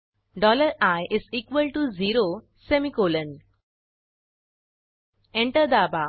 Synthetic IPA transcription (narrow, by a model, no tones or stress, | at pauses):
ɖɔləɾajʔɪziːkʋəlʈuziːɾo | semikolə̃n | ẽɳʈəɾd̪aba